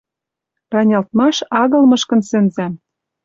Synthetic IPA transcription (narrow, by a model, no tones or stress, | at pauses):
rɑnʲɑlt̪̚mɑʃɑɣɤ̆lmɤ̆ʃkɤ̆nsɘ̆nzæm